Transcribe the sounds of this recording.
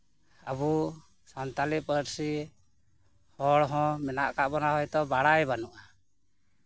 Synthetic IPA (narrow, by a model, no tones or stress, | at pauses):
abu | sant̪aliʔpəɾsi | hɔɽɦɔ̃mɛnaʔkaʔbɔnaɦɔjt̪ɔbaɽajbanuʔa